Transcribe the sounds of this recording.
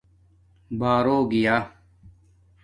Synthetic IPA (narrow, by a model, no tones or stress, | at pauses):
baːɾoːɡijaː